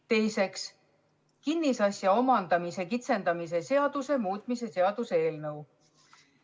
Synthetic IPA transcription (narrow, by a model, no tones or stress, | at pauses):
t̪e̞jse̞ks | kinːisɑsʲjɑo̞mɑnd̪̥ɑmise̞kit̪se̞nd̪̥ɑmis̬e̞se̞ɑd̪̥use̞muːt̪ˑmise̞se̞ɑd̪̥useeːlnɤw